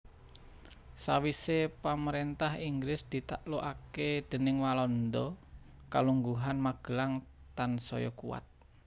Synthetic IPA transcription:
sawisepaməɾent̪ahiŋɡɾɪsd̪̥i̤t̪aʔloʔaked̪̥ə̤nɪŋwalɔnd̪ɔ | kaluŋɡuɦanmaɡ̥ə̤laŋ | t̪ansɔ̰jɔ̰kṵwa̰t̪̚

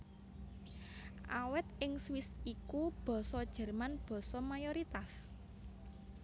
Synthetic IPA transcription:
ʔawɛt̪ɪŋswɪsikub̥ɔ̤sɔd̥ʒ̥ɛ̤rmanb̥ɔ̤sɔmajoɾit̪as

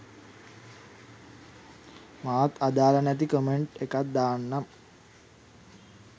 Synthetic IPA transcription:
maʋat̪ad̪aːlanæt̪ikomeɳʈekat̪̚d̪aːnːam

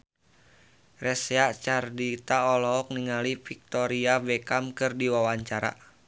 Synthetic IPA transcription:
rɛsɛat͡ʃardit̪aɔlɔɔk̚niŋalifik̚t̪ɔɾiavɛkamkɨrdiwawaɲt͡ʃaɾa̰

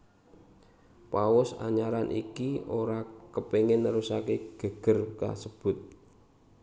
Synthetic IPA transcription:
pawʊsa̰ɲaɾanʔḭkioɾakəpeŋɪnːəɾusakeɡ̥ə̤ɡ̥ə̤rka̰səb̥ʊt̪̚

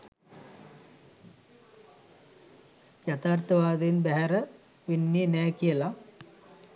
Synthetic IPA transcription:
jat̪aːrt̪əʋaːd̪enbæɦæɾə | ʋinːiːnɛːkijəla

